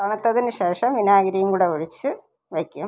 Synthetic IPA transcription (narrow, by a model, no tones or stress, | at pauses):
aːɳɐt̪ːɐðinɨɕeːʂɐmʋinaːɣɐɾɐjumkuːɽeoɻit͡ɕːɨ | ʋekʲːum